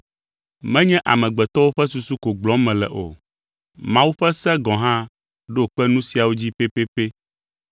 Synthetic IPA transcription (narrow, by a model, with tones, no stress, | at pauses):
mɛ̃˦ɲɛ̃˦ʔa̰˨mɛ̃˨ɡ͡bɛ˨t̪ɔ˦wo˦ɸɛ˦su˦su˦ko˨ɡ͡blɔ̃˦mɛ̃˨lɛ̰˨ʔo̰˨ | mã˦wu˦ɸɛ˦sɛ˦ɡɔ̃˨ɦã˦ | ɖo˦˨k͡pɛ˦nũ˦si˨a˨wo˦d͡ʑi˦pe˦pe˦pe˦